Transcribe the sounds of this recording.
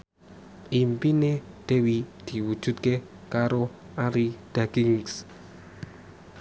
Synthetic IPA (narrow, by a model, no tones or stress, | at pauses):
ʔimpine | d̪̥ewid̪̥i̤wud̥ʒ̥ṳt̪̚ke | kaɾo | ʔaɾid̪̥aɡ̥ɪŋs